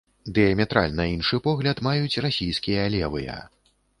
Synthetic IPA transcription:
d̪ɨjɐmʲɛt̪ɾa̰lʲnɐinʂɨpɔɣlʲɐt̪majut͡sʲrasʲijskʲijɐlʲɛvɨjɐ̰

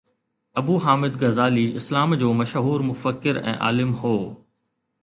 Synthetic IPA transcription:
ɐbuːɦaːmɪd̪ɡɐzaːliɪslaːmd͡ʑoːmɐʃɦuːɾmʊfəkːɪɾɛ̰̃ːʔa̰ːlɪmhoː

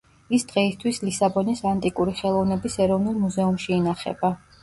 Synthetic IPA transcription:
isd̪̥ʁɛist̪ʰwislisabɔnisant̪ʼikʼuɾiχɛlˠɔvnɛbisɛɾɔvnulˠmuzɛumʃiːnaχɛ̰ba

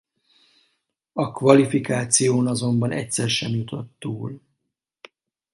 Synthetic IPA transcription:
ɒkʋɒlifikaːt̪sijoːnɒzo̞mbɒnɛ̰cʲsɛrʃɛmjut̪o̞t̪ːuːl

